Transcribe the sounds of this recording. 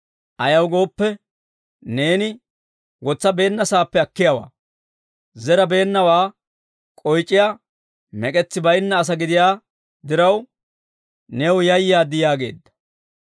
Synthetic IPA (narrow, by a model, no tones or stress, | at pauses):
ʔɐjɐwɡo̞ːpːɛ | ne̞ːnɪ | wɔt͡sːɐbe̞ːnːɐsaːpːɛɐkːɪjɐwa̰ː | zɛɾɐbe̞ːnːɐwaː | kʼɔjt͡ʃʼːɪjaː | mɛkʼɛt͡sːɪbɐjnːɐːs̬ɐɡɪd̪ɪjaː | d̪ɪɾɐw | newjɐjːɪjaːd̪ɪjaːɡe̞̰ːd̪ːɐ̥